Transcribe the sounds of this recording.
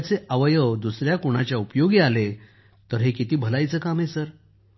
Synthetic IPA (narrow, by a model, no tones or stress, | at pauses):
t͡seʔəʋəjəwd̪usɾjakuɽ̃at͡ɕjaupjoɡiale | t̪əɾɦekit̪iːbʱəlajt͡səːkamesəɾ